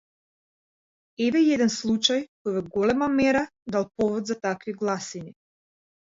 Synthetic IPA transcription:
ɛvɛiɛd̪ɛnslˠut͡ʃajkɔjvɔɡɔlɛmamɛɾad̪alˠpɔvɔd̪zat̪akviɡlˠasini

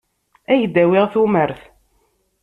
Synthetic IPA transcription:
æjd̪ːæwiʁθuməɾθ

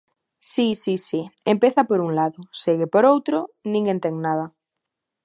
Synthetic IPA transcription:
sisisiempeθapoɾuŋlaðoseɣepoɾowt̪ɾonĩŋɡent̪eŋnað̞a

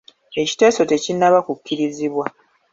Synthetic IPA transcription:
e̞ci̥te̞ːso̞te̞cinːaβakukːiɾiziβwa

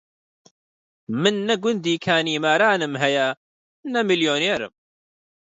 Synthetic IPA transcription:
mɨnːɐɡʊnd̪iːkʰaːniːmaːɾaːnɨmɦɛjɛ | nɐmiljoːneːɾɨ̰m

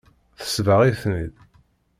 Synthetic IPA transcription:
θə̥svəʁiθnḭð

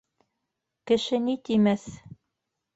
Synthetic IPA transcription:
kɘ̆ʃɘnit̪imæθ

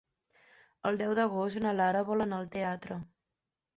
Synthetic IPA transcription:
əlˠd̪ɛwðəɣost̪unəlaɾəβɔlənəlˠt̪eat̪ɾə

